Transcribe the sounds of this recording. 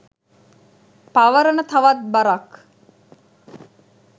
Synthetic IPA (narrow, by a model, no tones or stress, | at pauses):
paʋəɾənət̪aʋat̪̚baɾak